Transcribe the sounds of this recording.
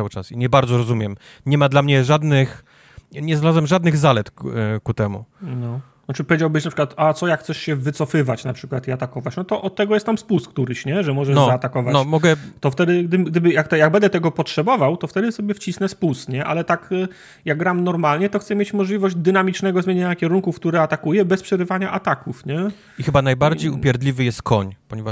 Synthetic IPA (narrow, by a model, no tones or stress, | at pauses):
awɘt͡ʂa̰siɲɛbaɾd̪zɔɾɔzumʲjɛm | ɲɛmad̪lamɲɛʐad̪nɘx | ɲɛzalazamʐad̪nɘɣzalɛt̪kut̪ɛmṵnɔ | nat͡ʂɘpɔvʲjed͡ʑawbɘɕnapʂɘ̥kwat̪at̪sɔjakxt̪sɛʂɕɛvɘt̪sɔfɘvat͡ɕnapʂɘkwat̪iat̪akɔvat͡ɕnɔt̪ɔʔɔt̪ːɛɡɔjɛst̪amspust̪kt̪uɾɘɕɲɛʐɛmɔʐɛʐnɔzaaːt̪akɔvanmɔɡɛt̪ɔft̪ɛd̪ɘɡd̪ɘɡd̪ɘbɘjak̚t̪ɔjaɡ̚bɛnd̪ɛt̪ɛɡɔpɔtʂɛbɔvawt̪ɔft̪ɛd̪ɘsɔbʲjɛft͡ɕisnɛspust̪ɲɛʔa̰lɛt̪ak | jaɡɡɾamnɔɾmalɲɛt̪ɔxt̪sɛmʲjet͡ɕmɔʐlʲivɔʑd͡ʑd̪ɘnamʲit͡ʂnɛɡɔzmʲjeɲeɲakʲɛɾuŋkufk̚t̪uɾɛat̪akujɛbɛspʂɛɾɘvaɲaʔat̪akufɲɛ | ixɘbanajbaɾd͡ʑejupʲjɛɾd̪lʲivɘjɛst̪̚kʰɔɲpɔɲɛvaʂ